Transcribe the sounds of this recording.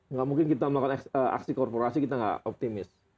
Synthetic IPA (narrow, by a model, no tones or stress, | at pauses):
ŋɡaʔmuŋkɪnkit̪aməlakanaəʔa̰ksikɔrpoɾasikit̪aŋɡa̰ʔop̚t̪imɪs